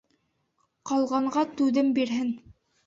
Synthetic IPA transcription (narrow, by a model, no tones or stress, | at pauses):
qɑlˠʁɑɴɢɑt̪ʉðɘmbiɾɦɘn